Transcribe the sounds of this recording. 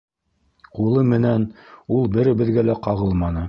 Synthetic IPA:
qulˠɤmɘ̆nænulˠbɘ̆ɾɘ̆bɘ̆ðɡælæqɑʁɤlˠmɑnɤ

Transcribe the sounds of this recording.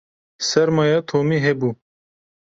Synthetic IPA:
sɐɾmajat̪ʰoːmiɦebu

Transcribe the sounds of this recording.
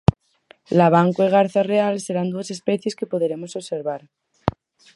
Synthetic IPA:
laβ̞aŋkweɣ̞aɾθarealse̞ɾand̪uase̞speθjeske̞poðeɾemosoβse̞ɾβaɾ

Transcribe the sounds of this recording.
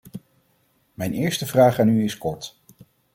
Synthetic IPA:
mɛjnɪːɹstəvraːχaːnyɪskɔɹt

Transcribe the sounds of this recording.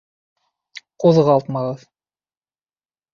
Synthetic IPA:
quðʁɑlˠt̪mɑʁɤð

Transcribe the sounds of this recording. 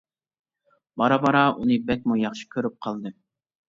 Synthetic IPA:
bɑɾɑbɑɾɑʔunɨbɛk̚ʲmujɑχʃi̥kʲʰøɾyp̚qʰɑlˠd̪ɨ

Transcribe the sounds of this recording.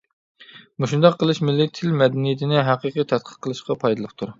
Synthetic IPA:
muʃund̪ɑqʰːəlˠɨʃmɪlːɪt̪ʰːɪlmɛd̪ɛnijɪt̪ʰɪnɪɦæqəqit̪ʰɛt̪̚qʰə̥qʰːəlˠɨʃqɑpʰɑjd̪ɨlˠɨp̚t̪ʰuɾ

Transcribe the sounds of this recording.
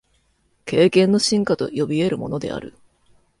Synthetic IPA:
ke̞ːkẽ̞nːo̞ɕĩŋkat̪o̞̰jo̞bʲie̞ɾɯ̟mo̞no̞d̪e̞̰a̰ɾɯ̟

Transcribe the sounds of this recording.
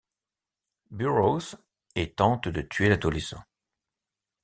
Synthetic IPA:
byʁoz | et̪ɑ̃t̪d̪ət̪ʰɥelad̪olisɔ̰̃

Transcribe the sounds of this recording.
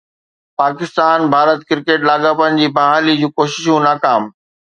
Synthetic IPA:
paːkɪst̪aːnbʱaːɾət̪kɪɾkeːʈlaːɡaːpənɪ̆d͡ʑiːbɐɦaːlid͡ʑũːkoːʃɪʃũnaːkaːm

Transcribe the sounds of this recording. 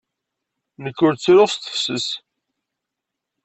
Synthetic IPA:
nəkːʊɾt͡sːɾʊʁst̪ə̥fsəs

